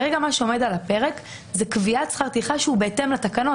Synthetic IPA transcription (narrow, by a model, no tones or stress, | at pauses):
ʁeɡamaʃeo̞me̞dalape̞ʁek | zekviat͡sχaʁt̪iχaʃeube̞ːte̞mlat̪akano̞